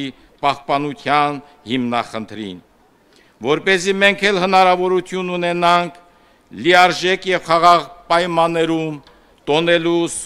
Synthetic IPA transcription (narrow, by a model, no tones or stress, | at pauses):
i | pɑhpɑnut̪ʰjɑn | himnɑχənt̪ʰɾḭn | vɔɾpɛzimɛŋkʰɛlhənɑɾɑvɔɾut̪ʰjununɛnɑŋkʰ | liɑɾʒɛkjɛvχɑʁɑʁpɑjmɑnːɛɾum | t̪ɔnɛlus